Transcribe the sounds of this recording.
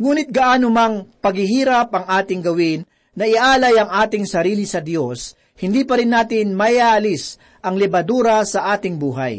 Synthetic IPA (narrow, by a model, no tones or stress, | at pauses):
ŋuːnɪt̪̚ɡɐʔaːnomɐŋpɐɡɪɦiːɾɐp̚ʔɐŋʔaːt̪ɪŋɡɐwɪnː | ɐʔɪʔaːlɐjɐŋʔaːt̪ɪŋsɐɾiːlɪsɐd̪jos | hɪnd̪iːpɐɾɪnːaːt̪ɪnmɐjaːʔɐlɪs | ʔɐŋlɛbɐd̪uːɾɐsɐʔaːt̪ɪŋbuːɦa̰j